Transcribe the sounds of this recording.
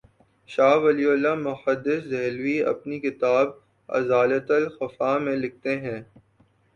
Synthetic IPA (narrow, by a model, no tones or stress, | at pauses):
ʃaːʋɐliʊlːamʊhəd̪ːɪszɛɦlwiɐ̰pnikɪt̪aːb | ɐ̰zaːlət̪əlxɐfamẽlɪk̚t̪eɦɛ̃ː